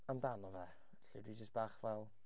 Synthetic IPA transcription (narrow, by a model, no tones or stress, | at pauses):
amdanɔvɛ | ɬidwid͡ʒəsb̥aːχvɛlˠ